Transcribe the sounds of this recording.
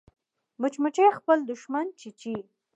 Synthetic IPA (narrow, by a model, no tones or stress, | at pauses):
mʊt͡ʃmʊʈ͡ʂexpəld̪ʊʃmant͡ʃit͡ʃi